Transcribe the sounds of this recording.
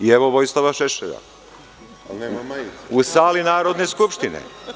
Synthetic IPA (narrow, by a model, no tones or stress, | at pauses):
ieʋoʋojslˠaʋaʃeʃeʎa̰ | usaːlinaːɾod̪ne̞skupʃt̪inḛ